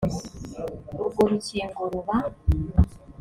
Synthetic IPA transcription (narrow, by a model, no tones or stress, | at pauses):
ɾuɡoɾuceːŋɡoɾuβa